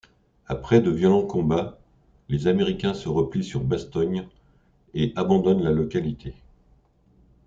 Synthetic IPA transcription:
apχɛd̪əvjɔlɑ̃kɔ̃ba | lezameʁikʲɛ̃səʁəplisyʁbast̪ɔɲ | eʔabɑ̃d̪ɔnlalɔkalit̪ʰe

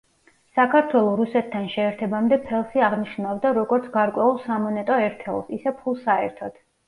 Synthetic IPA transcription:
sakʰaɾt̪ʰwɛlˠɔɾusɛt̪ʰːanʃɛːɾt̪ʰɛbamd̪ɛpʰɛlˠsiaʁniʃnavd̪aɾɔɡɔɾt̪sʰɡaɾkʼwɛulˠsamɔnɛt̪ʼɔɛɾt̪ʰɛ̰lˠsisɛpʰulˠsaɛ̰ɾt̪ʰɔd̪̥

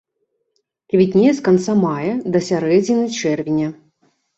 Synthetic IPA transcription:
kʲvʲit̪ʲnʲejɛskant̪samajɐd̪ɐsʲaɾɛd͡zʲinɨt͡ʂɛrvʲinʲɐ

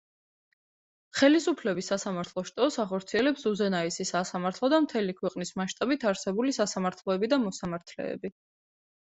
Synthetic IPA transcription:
χɛlisupʰlɛbisːasamaɾt̪ʰlˠɔʃt̪ʼɔsaχɔɾt̪sʰiɛlɛpsuzɛnaisisasamaɾt̪ʰlˠɔd̪amt̪ʰɛlikʰwɛqʼnismaʃt̪ʼabit̪ʰaɾsɛbulisasamaɾt̪ʰlˠɔɛbid̪amɔsamaɾt̪ʰlɛ̰ːbi

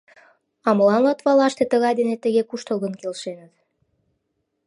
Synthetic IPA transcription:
ɑməlɑnlɑt̪βɑlɑʃt̪et̪əɣɑjd̪enet̪əɣekuʃt̪olˠɣə̆nkelʃenət̪̚

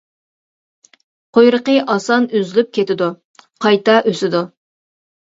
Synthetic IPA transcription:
qʰojɾəqəʔɑsɑnyzlyp̚kʲʰet̪ɪd̪u | qʰɑjt̪ɑʔøsɪd̪u

